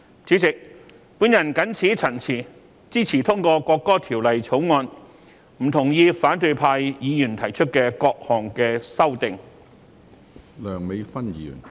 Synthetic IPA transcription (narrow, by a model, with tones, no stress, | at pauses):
t͡syː˨˥t͡sɪ˨k̚ | puː˨˥njɐ˨˩nkɐ˨˥nt͡sʰiː˨˥t͡sʰɐ˨˩nt͡sʰiː˨˩ | t͡siː˥t͡sʰiː˨˩t̪ʰʊ˥ŋkɔː˧kɔː˧kːɔː˥t̪ʰiː˨˩wlɐ˨jt͡sʰo˨˥wŋɔː˧n | m̩˨˩t̪ʰʊ˨˩ŋjiː˧faː˨˥nt̪ɵ˧jpʰaː˧jjiː˨˧jyː˨˩nt̪ʰɐ˨˩jt͡ʃʰɵ˥t̚kɛː˧kɔː˧k̚hɔː˨˩ŋkɛː˧sɐ˥wt̪ɪ˨ŋ | lœː˨˩ŋme˨˧jfɐ˥nji˨˧˨y̰ː˨˩n